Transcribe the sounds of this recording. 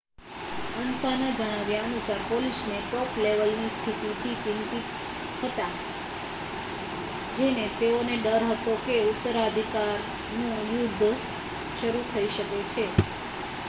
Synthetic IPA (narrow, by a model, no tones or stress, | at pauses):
ənsanad͡ʒəɽ̃aʋjaənusaɾpolisneʈɔpleʋəlnist̪ʰit̪it̪ʰit͡ʃɪnt̪it̪ | ɦət̪a | d͡ʒenet̪eoneɖəɾɦət̪okeut̪ːəɾad̪ʱikaɾ | nũjʊd̪ʱː | ʃəɾut̪ʰəiʃəket͡ʃʰe